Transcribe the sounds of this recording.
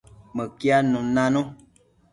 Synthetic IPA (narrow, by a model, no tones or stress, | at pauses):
məkianũnãnõ